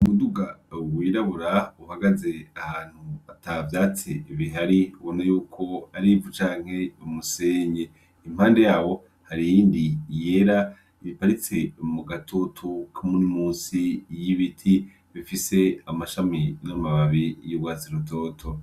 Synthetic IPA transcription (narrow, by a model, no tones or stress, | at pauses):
umuduɡawiːɾaβuɾauhaɡaze̞ahaːn̥huatavjaːt͡siβiɦaɾiuβonajuːkʰo̞aɾivut͡ʃaːŋ̥he̞umuseɲe̞ | im̥haːnde̞jaːwo̞ | haɾijiːndije̞ɾa | βipaɾit͡se̞muɡatʰotʰukʰamunimuːnsijiβitʰi | βifise̞amaʃaminamaβaβijoβɡaːziɾuto̞ːtʰo